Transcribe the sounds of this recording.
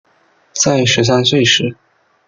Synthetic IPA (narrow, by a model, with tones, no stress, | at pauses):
t͡sa˥˩ɪʂɻ̩˧˥s̬a˥nswe˥˩ɪʂɻ̩˧˥